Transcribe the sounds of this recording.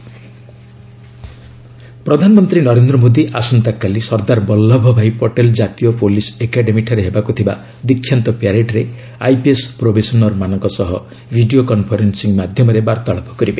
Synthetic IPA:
pɾɔd̪ʱanɔmɔnt̪ɾinɔɾend̪ɾɔmod̪iʔasunt̪akːalisɔɾd̪aɾbɔlːɔbʱɔbʱajpɔʈeld͡ʒat̪ijɔpolisekaɖemiʈʰɔɾeɦebakut̪ʰiba̰ | d̪ikʰːjant̪ɔpjaɾeʈɾe | a̰jpiespɾobʱesɔnɔɾmanɔŋkɔsɔɦɔ | bʱiɖijokɔnpʰɔɾensiŋmad̪ʱjɔmɔɾebaɾt̪aɭɔpɔ̥kɔɾibe

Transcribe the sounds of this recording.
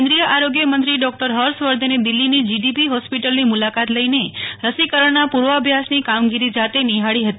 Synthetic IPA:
nd̪ɾijəʔaɾoɡjəmənt̪ɾiɖɔk̚ʈəɾɦəɾsʋəɾd̪ʱəned̪ilːinid͡ʒiɖipiɦɔspiʈəlnimulakat̪ləineɾəsikəɾəɳnapuɾʋəəbʱjasnikamɡiɾid͡ʒat̪eniɦaɽiɦət̪i

